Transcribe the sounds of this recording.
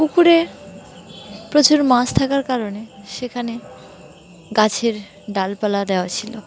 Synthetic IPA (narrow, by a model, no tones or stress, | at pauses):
kukuɾe | pɾot͡ɕuɾmast̪ʰakaɾkaɾoneʃekʰane | ɡat͡ɕʰeɾ | ɖalpalad̪eoat͡ɕʰilo